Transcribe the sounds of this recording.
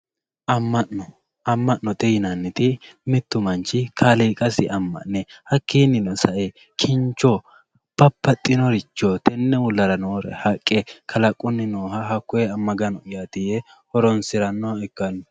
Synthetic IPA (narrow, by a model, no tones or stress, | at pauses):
ʔɐmːɐʔnɔ | ɐmːɐʔːɔt̪ʼɛjɪnɐnːɪt̪ɪmɪt̪ːʊmɐnt͡ʃɪkʰaliːkʼɐsɪʔɐmːɐ̰ʔnɛhɐkʰːinːɪnɔsɐʔɛ | kʰɪnt͡ʃːɔ | b̥ɐpːɐt̪ʼːɪnɔɾɪt͡ʃːɔt̪ʰɛnːɛwʊlːɐɾɐnoːɾɛ̰hɐkʼːɛkʰɐlɐkʼːʊnːɪnoːɦɐɦɐkːʊɛɐmːɐɡɐnɔɪjat̪ɪjɛ | hɔɾɔnsɪɾɐnːɔɛkːɐnːɔ